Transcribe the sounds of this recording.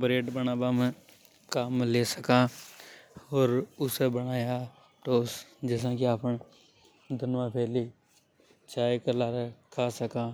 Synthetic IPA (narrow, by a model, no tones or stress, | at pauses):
bɾeːʈbənaːbam̃ | kaːmleːsəkãː | ɔːɾʊsebəɽ̃aːja | ʈoːsd͡ʒɛːs̬ãkiaːpən | d̪ʱənʋãpʰɛːli | t͡ʃaːekəlaːɾekʰaːsəkãː